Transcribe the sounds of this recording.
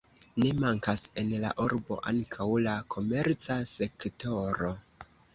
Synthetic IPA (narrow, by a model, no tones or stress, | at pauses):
ne̞maŋkase̞nla̰ʔuɾbo̞̰ʔa̰ŋkʰawlakʰo̞me̞ɾt͡sase̞kto̞ɾo